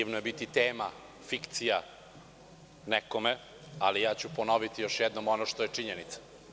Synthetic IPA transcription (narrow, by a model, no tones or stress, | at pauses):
iʋnojebit̪it̪eːma | fikt̪sija | nɛkome | alijaːt͡ɕuponoʋit̪ijoʃjɛd̪nomonoʃt̪ojet͡ʂiɲenit̪sḁ